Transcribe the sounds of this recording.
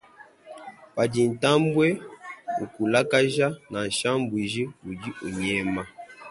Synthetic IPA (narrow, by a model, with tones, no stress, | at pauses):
pa˨d͡ʒi˨n̩˨ta˦m˦bwɛ˦ṵ˨ku˨la˦ka˦ʒa˦na˨n̩˨ʃa˦m˦bwi˨ʒi˦u˨di˦o˨ɲɛ˦ma˦